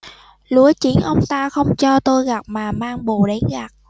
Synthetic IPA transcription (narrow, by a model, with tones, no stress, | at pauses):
lu˨˦ət͡ɕi˧˦ənʔə˧wŋ͡mt̪aː˧xə˧wŋ͡mt͡ɕɔ˧t̪o˧jɣa˨˩p̚maː˨˩maː˧ŋɓo˨˩ɗe˨˦nɣa˨˩t̚